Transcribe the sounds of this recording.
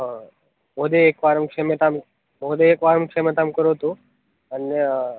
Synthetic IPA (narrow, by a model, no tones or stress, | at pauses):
moːd̪eːkʋaːɾmkemet̪am | moːd̪eːkʋaːɾəmkʂemet̪amkəɾot̪u | əne